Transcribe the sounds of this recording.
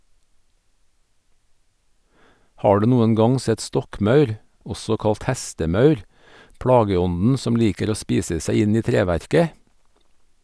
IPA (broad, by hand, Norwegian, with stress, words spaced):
ˈhɑː ˈɖʉː ˈnuːən ˈɡɑŋ ˈsɛt ˈstɔkˌmɑʉɾ ˈɔsɔ ˈkɑlt ˈhæstəˌmɑʉɾ ˈpɽɑːɡəˌɔnn̩ ˈsɔm ˈliːkəɾ ˈoː ˈspiːsə ˈsæɪ ˈɪn ˈiː ˈtɾeːˌʋæɾkə